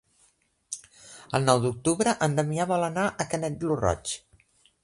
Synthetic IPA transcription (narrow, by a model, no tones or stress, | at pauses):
ə̰lˠnɔwd̪uk̚t̪uβɾəʔənd̪əmiaβɔlənaʔəkənɛt̪̚lurɔ̰t͡ʃ